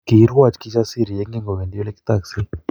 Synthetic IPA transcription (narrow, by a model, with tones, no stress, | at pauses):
ki˨˦ɾwa˦˨t͡ʃki˦t͡ʃa˦si˦˨ɾi˨je˦ŋɡe˦ŋɡo˨βe˨ndi˦o˦le˦ki̥˦t̪a˨kse˦